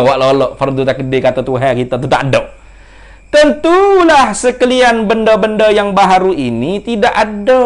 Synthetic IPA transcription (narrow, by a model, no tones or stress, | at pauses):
waʔlːlɔfərd̪ut̪akədekat̪at̪uɦɛkit̪at̪ut̪aʔdɔ | t̪ənt̪ulahsəkəlianbəndɔbəndɔjaŋbaɦaɾuinit̪idaʔado